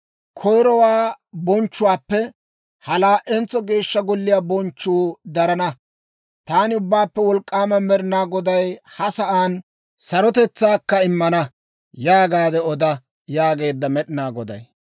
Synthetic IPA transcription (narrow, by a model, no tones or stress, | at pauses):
kʰɔjɾɔwaː | bɔnt͡ʃːʊwaːpːɛ | hɐlaːʔɛnt͡sːɔɡe̞ːʃːɐɡɔlːɪjaːbɔnt͡ʃːuːd̪ɐɾɐnɐ | t̪aːnɪʊbːaːpːɛwɔlkʼːaːmɐmɛɾɪnaːɡɔd̪ɐjhɐsɐʔaːn | sɐɾɔt̪ɛt͡sːaːkːɐɪmːɐnɐ | jaːɡaːd̪ɛɔd̪ɐ | jaːɡe̞ːd̪ːɐmɛɗɪnaːɡɔd̪ɐ̰j